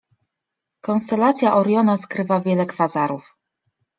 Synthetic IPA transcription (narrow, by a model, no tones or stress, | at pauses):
kɔnst̪ɛlat̪sʲjaʔɔɾjɔnaskɾɘvavʲjɛlɛkfazaɾuf